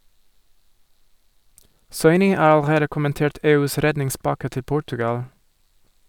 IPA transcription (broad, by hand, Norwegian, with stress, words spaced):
ˈsɔʏnɪ ˈɑː ɑlˈɾeːdə kʊmənˈteːʈ ˈeːˌʉːs ˈɾɛdnɪŋˌspɑkə ˈtɪ ˈpʊʈʉɡɑl